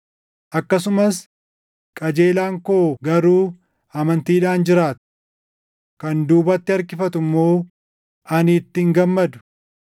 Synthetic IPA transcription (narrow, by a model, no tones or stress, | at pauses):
ʔɐkːɐsʊmɐs | kʼɐd͡ʒe̞ːlaːŋkoːɡɐɾuː | ɐmɐnt̪iːᶑaːnd͡ʒɪɾaːt̪ʊ̥ | kɐnd̪uːbɐt̪ːɪɐɾkɪfɐt̪ʊmːo̞ː | ʔɐnɪːt̪ːɪŋɡɐmːɐd̪ʊ̥